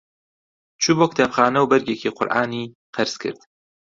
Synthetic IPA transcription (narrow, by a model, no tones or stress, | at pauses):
t͡ʃʰuboːk̚ʰt̪ʰapxaːnɐwbɛɾɡekʰiːqʰʊ̰ɾʔaːniː | qʰɨɾskʰɨ̰ɾd̪̥